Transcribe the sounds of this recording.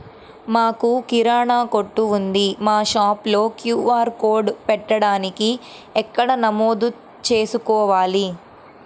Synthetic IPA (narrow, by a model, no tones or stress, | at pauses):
maːkukiɾaːɳaːkoʈːuːnd̪imaːʃaːplo̞ːkjuːaːɾkoːɾɖpɛʈːɐɽaːniki | ɛkːɐɽɐnɐmo̞ːd̪u | t͡ʃe̞ːsukɔːʋaːli